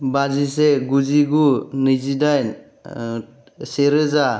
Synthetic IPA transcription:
bazis̬eɡuziɡunɯzidaj | seɾɯza

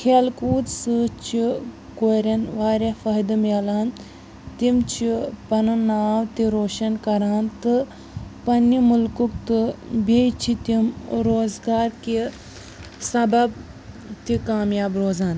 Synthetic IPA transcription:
kʰeːlkuːt̪sɨt͡ʃʰi | koɾɐnʋaːɾefɐɦd̪ɨmeːlaːn | t̪imt͡ʃʰipɐnɨnaːʋt̪iɾoːʃɐnkɐɾaːnt̪ɨ | pɐnːimʊlkuk̚t̪ɨbʱet͡ʃʰit̪imɾoːzɡaːɾki | sɐbɐb̚ | t̪ikaːmjaːbɾoːzaːn

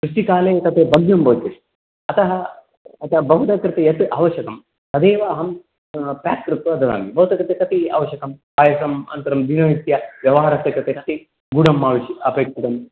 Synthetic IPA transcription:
kɾuʂʈikaːleːt̪ɐt̪ʰeːbɐɡjɐmbɐːt̪ɐʂi | ɐt̪ɐɦɐ | ɐt̪ɐbɐɦut̪ɐkɾɪt̪ejɐt̪ʔaːʋɐʃjɐkɐm | sɐd̪eːʋaːɦɐm | pjaːkkɾut̪ʋɐɐd̪ɐd̪a̰ːmibɐɦut̪ɐkɾɪt̪ekɐt̪ia̰ːʋɐʃjɐkɐmkaːjɐsɐmɐ̰nt̪ɐɾɐmd̪inɐʋit̪jɐʋjɐʋɐɦaːɾɐst̪jɐkɾɨt̪ekɐt̪i | ɡuɽɐmːaːʋɐʃɐpeːkʃit̪ɐm

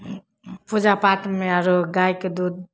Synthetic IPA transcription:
pud͡ʒapaʈmeaɾoɡajked̪ud̪̚

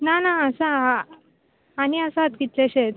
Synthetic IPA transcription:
nanaːsaaː | niəsãt̪kit̪leɕet̪

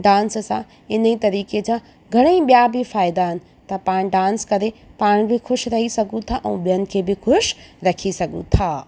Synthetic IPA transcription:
ɖãːnssã̰ | ɪn̤ĩt̪ɐɾiːked͡ʑãː | ɡʱɐɽ̃eĩɓijabɪfaːɪd̪aɦɪnɪ̆ | t̪ɐpaːɽ̃ɖãːnskɐɾepaːɽ̃bɪxʊʃɾɐɦisɐɡʱũt̪ʰaʔɛ̰̃ːɓijənɪ̆kʰeːbɪxʊʃɾɐkʰisɐɡʱṵ̃t̪ʰaː

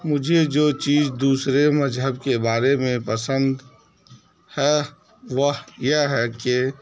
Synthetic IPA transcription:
mʊd͡ʒʱed͡ʒoːt͡ʃiːzd̪uːsɾemɐzɦəbkebaːɾemẽpəsə̃nd̪ | hɛː | ʋəɦjəɦɦɛke

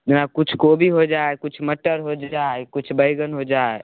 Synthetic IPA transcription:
d͡ʒnakut͡ʃʰkobʱiɦod͡ʒaekut͡ʃʰməʈːəɾɦod͡ʒaekut͡ʃʰbəɪɡənɦod͡ʒae

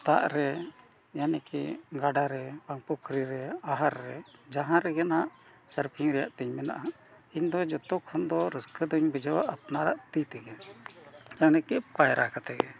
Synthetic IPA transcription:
t̪a̰ʔɾɛ | janɛkɛ̰ɡaɖaɾɛbaŋpukʰɾiɾɛaɦaɾːɛd͡ʒaɦãɾɛɡɛnhaʔ | səɾpʰiŋɾɛjaʔt̪ɛɲmɛna̰ʔa | iɲd̪ɔd͡ʒɔt̪ɔkʰɔnd̪ɔɾəskəd̪ɔɲbid͡ʒawaʔapnaɾaʔt̪it̪ɛɡɛn | janɛkɛpajɾʔakat̪ɛɡɛ

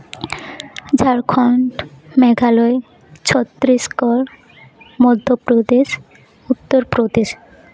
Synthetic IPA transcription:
d͡ʑʱaɾkʰɔɳʈmɛɡʱaloe | t͡ɕʰɔt̪ːɾiskɔɾ | mɔd̪ʱːopɾod̪eʃ | ut̪ːoɾpɾod̪eʃ

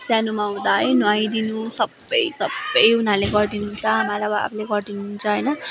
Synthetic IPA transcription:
sjanumaɦũd̪aɦʌjnãj̃d̪inusʌbːʌ̰jsʌbːʌjunaleɡʌrd̪inuɦunt͡sʰʌɦamalaʌbʌa̰pʰleɡʌrd̪inuɦunt͡sʰʌɦʌjnʌ

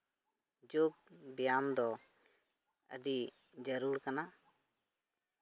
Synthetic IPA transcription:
d͡ʒoɡ̚bijamd̪ɔ | ə̰ɖi | d͡ʒəɾuɾkana

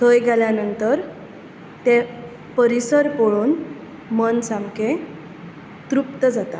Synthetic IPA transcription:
t̪ʰəjɡʱaljanənt̪əɾ | t̪e | pəɾisəɾpoɭuːn | mənsamkẽ | t̪ɾupt̪əd͡zat̪a

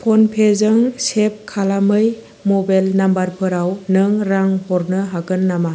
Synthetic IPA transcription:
pʰɔnpʰezɯŋsep̚kʰalamɯj | mɔbajlnambaɾpʰɯɾawnɯŋɾaŋhɔɾnɯɦaɡɯnːama

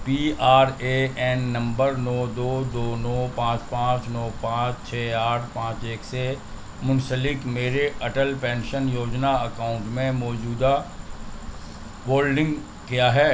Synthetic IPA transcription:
piːaːɾeɛːnːɐ̃mbəɾnɔːd̪oːd̪oːnɔːpãːt͡ʃpãːt͡ʃnɔːpãːt͡ʃt͡ʃʰɛːaːʈʰpãːt͡ʃeːkse | mʊ̃nsəlɪkmeːɾeɐʈəlpɛ̃ːnʃənjoːd͡ʒnaɐkaːʊ̃ɳʈmẽmɔːd͡ʒuːd̪a | woːlɖɪ̃ŋɡ | kjaːɦɛː

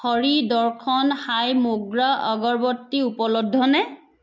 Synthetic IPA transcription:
xɔɹidɔɹkʰɔnhajmuɡɹaʔɔɡɔɹbɔtːiupɔlɔdʱːɔnɛ

